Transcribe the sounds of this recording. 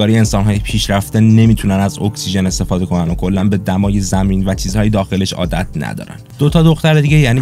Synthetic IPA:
ɒːɾiensɒːnɦɒːjepʰiːʃɾæft̪ene̞miːt̪ʰunænæzo̞ksiʒe̞ne̞st̪e̞fɒːd̪e̞kʰo̞nænokʰo̞lːænbe̞d̪æmɒːje̞zæmiːnvæt͡ʃʰiːzhɒːjed̪ɒːxe̞le̞ʃɒ̰ːd̪æ̰t̪ʰnæ̰d̪ɒ̰ːɾæ̰nd̪̥o̞t̪ʰɒːd̪o̞xt̪æɾed̪iɟejæːniː

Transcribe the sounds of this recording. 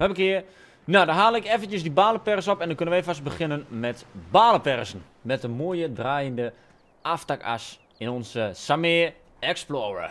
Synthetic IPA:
ʋɛpəkɪə | nadaɦaːləɪkɛfəntjəsdibaːləpɛrsɔpɛndɔkønənʋɛjfast̚bəxɪnənmɛtbaːləpɛrsn̩ | mɛt̚dəmoəjədraːjəndə | ʔaftaka̰s | ɪnɔnsəsameː | ɛksplɔːrə̰

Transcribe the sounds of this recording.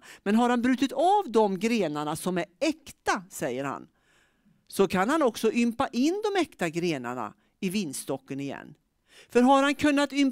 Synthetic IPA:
mɛnɦaɾhanbɾʉ̟ːt̪ɪt̪ʰaːvd̪ɔmɡɾeːnaɳasɔmæɾɛkt̪asɛjːəɾha̰n | sɔkʰanhanɔksɔʔʏmpaʔɪnd̪ɔmɛkt̪aɡɾeːna̰ɳa̰ | ɪvɪnːst̪ɔkːənɪjɛ̰nː | fœɾɦaɾhankʰɵnːat̪ʏm

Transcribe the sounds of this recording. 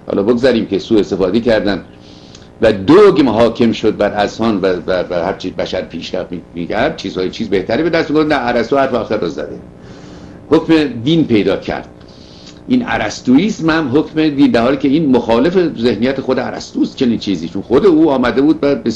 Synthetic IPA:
hɒ̰ːlɒ̰ːboɡzæɾiːmkesuːe̞st̪e̞fɒːd̪ekʰæɾd̪ænd̪ | væd̪oɡmɦɒːkʰe̞mʃod̪̚bæɾæzhɒːnvævævæhæɾt͡ʃʰibæʃæɾpʰiːʃɾæftimikʰæɾd̪̥̚t͡ʃʰiːz̥hɒːjet͡ʃʰiːzbe̞ht̪æɾiːbe̞d̪æst̪miɡofd̪nææɾæst̪uːhæɾfeɒxæɾɔzæ̰d̪e | hokmed̪inpʰe̞jd̪ɒːkʰæ̰ɾd̪̥̚ | ʔiːnæ̰ɾæst̪uiːsmhæmɦokʰme̞d̪iːnd̪æɾhɒːliːcʰeiːnmoxɒːle̞feze̞hnijæt̪exod̪eæɾæ̰st̪uːst̪t͡ʃʰe̞niːnt͡ʃʰiːziːt͡ʃʰonxod̪e̞uːɒːmæd̪e̞buːd̪̚væbe

